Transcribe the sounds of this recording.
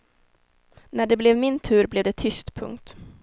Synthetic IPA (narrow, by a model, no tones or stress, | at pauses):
næɖɛblɛvmɪnt̪ʰʉ̟ːɾblɛvd̪ɛt̪ʰʏst̪pʰɵ̰ŋkt̪